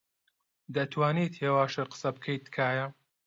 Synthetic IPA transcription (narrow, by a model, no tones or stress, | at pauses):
d̪ɐt̪ʰwaːniːt̪heːwaːʃɨqə̥sɐb̚kʰɐjt̪kʰaːjɐ